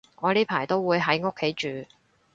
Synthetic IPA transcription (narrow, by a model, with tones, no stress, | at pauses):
ŋɔː˨˧liː˥pʰaː˨˩jt̪o˥wwuː˨˧jɦɐ˨˥jŋo˥kʰːe˨˥jt͡ʃyː˨˧